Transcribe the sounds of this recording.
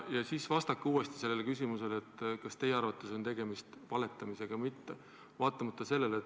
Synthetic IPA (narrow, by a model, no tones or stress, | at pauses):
jɑsisvɑst̪ɑkːuːe̞st̪i̥se̞lːelkys̬ʲimuse̞let̪ːˑkɑst̪e̞jeɑɾvɑt̪ːˑeso̞nt̪e̞ɡ̥e̞mist̪vɑle̞t̪ːˑɑmise̞ɡ̥ɑmit̪ːe | vɑːt̪ːˑɑmɑt̪ːˑɑse̞lːe̞let̪